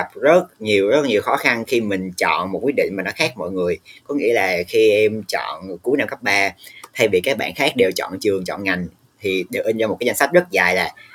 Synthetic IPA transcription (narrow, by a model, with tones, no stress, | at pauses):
a˦˥p̚zə˦˥t̚ɲi˨˩əwzə˦˥t̚ɲi˨˩əwxɔ˨˦xa˧nxi˧mï˨˩ŋ̟t͡ɕɔ̰˧˨nmo˨˩t̚kwi˦˥ɗḭ̈˧˨ŋ̟maː˨˩nɔ˨˦xaː˦˥k̚mɔ̰ː˧˨jŋɨ˨˩əjkɔ˨˦ŋḭ˧˥əlaː˨˩xi˧ʔɛ˧mt͡ɕɔ̰˧˨nku˨˦jna˧mkə˦˥p̚ɓaː˧t̪ʰa˧jvi˨˩kaː˦˥k̚ɓa̰ː˧˨nxaː˦˥k̚ɗe˨˩wt͡ɕɔ̰˧˨nt͡ɕɨ˨˩əŋt͡ɕɔ̰˧˨nŋa˨˩jŋ̟ | t̪ʰi˨˩ɗe˨˩wʔï˧ŋza˧o˨˩kːaː˨˦za˧ŋsa˦˥k̚zə˦˥t̚zaː˨˩jlaː˨˩